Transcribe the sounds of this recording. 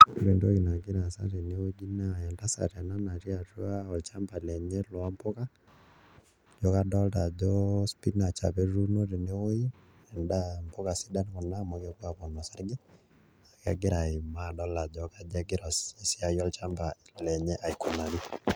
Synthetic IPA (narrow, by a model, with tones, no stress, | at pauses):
ɾe˨ndo˦i˨na˨ɡɪ˦ɾa˨sa̰˦ɾe˨ne˦wo˦ɡi˦na˦˨ɛ˨nda˦sa̰˨tɛ˨na˦na˨ti˦a˨tu˦a˦ɔ˨lt͡ʃa˦mba˨lɛ˨ɲɛ˦lɔ˨a˦mpo˦ka˦ | d͡ʒɔ˨˦ka˦dɔ˦lta˨d͡ʒɔ˦spi˦na˨t͡ʃa̰˨bɛ˦ɾu˦no˦ɾe˨ne˦wo˦i˦ | ɛ˨nda˦mpo˦ka˨si˦da˦n˦kɔ˨na˦mo˨kɛ˦kwa˨pɔ˨nɔ˨sa˦ɾɡi˦ | a˨ka̰˨ɡɪ˦ɾa˨ɪ˨ma˦˨dɔ˦la˨d͡ʒɔ˨˦ka˦d͡ʒa˦ɡɪ˦ɾɔ˨se˨si˦a˨jɔ˦lt͡ʃa˦mba˨lɔ˨lɛ˨ɲɛ˦ʔa˨i˨ko˨na˨ɾi˦